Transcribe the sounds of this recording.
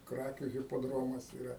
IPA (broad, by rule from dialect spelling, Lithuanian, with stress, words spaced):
ˈkrɑːkʲuː ɣʲɪpoːˈdroːmɐs ɪˈrɐ